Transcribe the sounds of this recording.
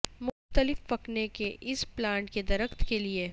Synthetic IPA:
mʊxt̪əlɪfːɐknekeʔɪsplãːɳʈked̪ɐɾəxt̪kelie

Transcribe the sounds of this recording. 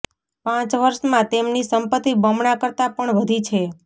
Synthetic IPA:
pãt͡ʃʋəɾʃmãt̪emnisəmpət̪ibəmɳakəɾt̪apəɳʋəd̪ʱit͡ʃʰe

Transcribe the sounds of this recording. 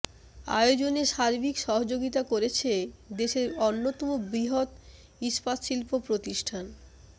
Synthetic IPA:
a̰eod͡ʑoneʃaɾbikʃɔɦod͡ʑoɡit̪akoɾet͡ɕʰed̪eʃeɾonːot̪ɔmobɾiɦot̪ | iʃpat̪ʃilpopɾot̪iʃʈʰan

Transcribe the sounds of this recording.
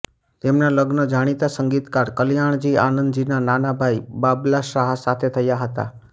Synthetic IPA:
t̪emnaləɡnəd͡ʒaɽ̃it̪asəŋɡit̪kaɾkəljaɳ̃d͡ʒianənd̪d͡ʒinananabʱajibablaʃaɦasat̪ʰet̪ʰəjaɦət̪a̰

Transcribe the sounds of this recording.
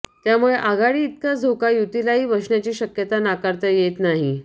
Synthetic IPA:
t̪jamuɭeʔaɡaɭiːt̪̚kad͡z̪ʱokajut̪ilaɦiːʋəʂɳjat͡ɕiːɕəkjət̪anakaɾt̪əjet̪naɦi

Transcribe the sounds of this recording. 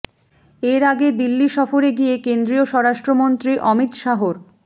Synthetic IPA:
eɾaɡed̪ilːiʃɔfoɾeɡiekend̪ɾioʃɔɾaʃʈɾomont̪ɾiʔɔmit̪ʃaɦoɾ

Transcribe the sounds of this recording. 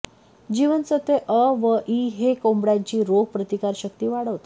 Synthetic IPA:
d͡ʑiʋənt͡sət̪eʔəʋəʔiɦekombɽjãɲt͡ɕiːɾoɡ̚pɾət̪ikaɾɕək̚t̪iːʋaɽəʋt̪a

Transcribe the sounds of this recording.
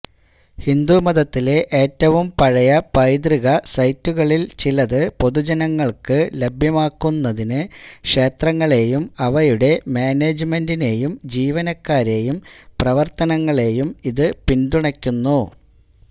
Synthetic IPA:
hind̪umɐðɐt̪ːile̞ʔeːtːɐʋumpɐɻɐjɐpɐjd̪riɣɐsɐjtːuɣɐɭilt͡ɕilɐðɨpo̞ðud͡ʑɐnɐŋːɐɭkɨlebʱjɐmaːkːunːɐðinɨkʂe̞ːt̪rɐŋːɐɭe̞jumɐʋɐjuɽe̞maːneːd͡ʑɨme̞ndine̞jumd͡ʑiːʋɐnɐkːaːɾe̞jumprɐʋɐrt̪ɐnɐŋːɐɭe̞jumiðɨpind̪uɳɐkʲːunːu

